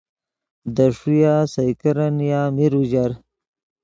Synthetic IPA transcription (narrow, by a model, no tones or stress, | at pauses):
d̪aʂujaːsajkaɾanjaːmiɾuʑaɾ